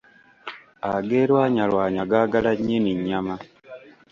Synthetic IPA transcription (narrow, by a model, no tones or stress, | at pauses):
aɡeːlwaːɲalwaːɲaɡaːɡalaɲːeniɲːama